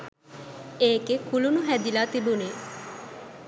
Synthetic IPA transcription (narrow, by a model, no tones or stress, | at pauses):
eːɡekulunuɦæd̪ilaːt̪ibuniː